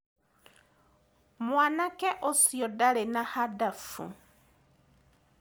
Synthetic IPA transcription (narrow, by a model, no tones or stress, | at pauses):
mwanakɛʔosjɔdalenahadafṵ